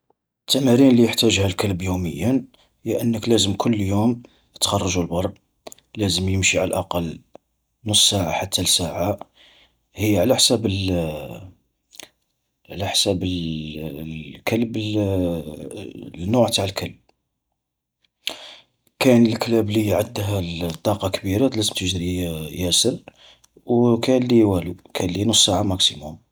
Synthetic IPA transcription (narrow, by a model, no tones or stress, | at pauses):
ət̪ʰːæmæɾinlijəħt̪æʒhælkəlbjuməjːən | hjʔənːəklæzəmkʰʊlːjum | ət̪xɑrˤːɑʒulbɑrˤ | læzəmjəmʃiʕalʔɑqɑlː | nʊsːaʕaħat̪ːælsaʕa | həjːʕlæħsæbəl | ʕlæħsæbə | kəlbl | nːʊʕt̪aʕəlkəlb̚ | kænəlklæblijʕəd̪ːɦælt̪ˤːɑqɑkbiɾat̪læzəmt̪əʒɾijæsəɾ | wkælːijwælukʰænlːinʊsːaʕamæksimʊm